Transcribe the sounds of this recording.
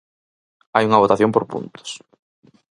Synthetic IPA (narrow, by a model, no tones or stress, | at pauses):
ajuŋɐβ̞ot̪aθjõmpoɾpṵnt̪ʊ̥s